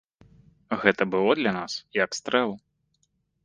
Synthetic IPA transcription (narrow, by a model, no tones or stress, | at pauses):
ɣɛt̪ɐbɨlˠɔd̪lʲɐnasiɐkst̪ɾɛlˠ